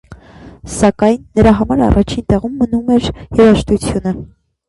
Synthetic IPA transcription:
sɑkɑjnːəɾɑɦɑmɑɾɑ̰rɑt͡ʃʰint̪ɛʁumːənumɛɾjɛɾɑʃt̪ut͡sʰjunə

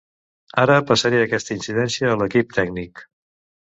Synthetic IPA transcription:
aɾəpəsəɾiəːkɛst̪əinsiðɛnsiəːləkip̚t̪ʰɛɡ̚nik

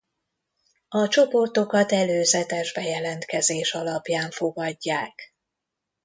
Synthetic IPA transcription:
ɒt͡ʃo̞po̞rt̪o̞kɒt̪ɛløːzɛt̪ɛʒbɛjɛlɛnt̪kɛzeːʃɒlɒpjaːɱfo̞ɡɒɟːaːk

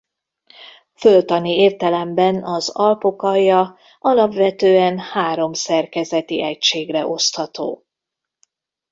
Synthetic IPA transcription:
følt̪ɒnieːrt̪ɛlɛmbɛnɒzɒlpo̞kɒjːɒ | ɒlɒpʋɛt̪øːɛnhaːɾo̞msɛrkɛzɛt̪iʔɛcʃeːɡrɛʔo̞st̪hɒt̪o̰ː

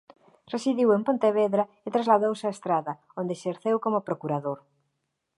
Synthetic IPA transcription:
resiðiwempõnt̪eβ̞eðɾa | et̪ɾazlaðowseaest̪ɾaðɐ | ond̪eseɾθewkomopɾokuɾaðoɾ

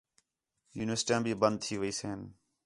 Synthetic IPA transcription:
juːnɪʋəɾsʈiãːbʱiːbənd̪̚t̪ʰiːʋəiːseːən

